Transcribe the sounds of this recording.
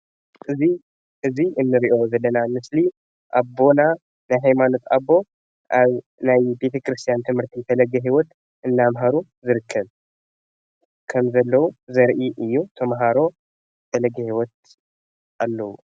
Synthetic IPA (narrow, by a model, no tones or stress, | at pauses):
ʔɨzi | ʔɨziʔɨnːɨɾiʔo̞zɐlːɐnamɨsli | ʔabo̞na | najɦajmano̞t̪abːo̞ | ʔaβ | najbe̞t̪ʰɐkɾɨst̪ʰijant̪ʰɨmhɨɾt̪ʰit̪ʰɐlɐɡɐɦiwɔt̪ | ʔɨnːamɦaɾu | zɨɾɨkʰːɐβ | kʰɐmzɐlːɐwuzɐɾʔiʔɨjːut̪ʰɐmɦaɾo̞ | t̪ʰɐlɐɡɐhiwɔt̪̚ | ʔalːɐwu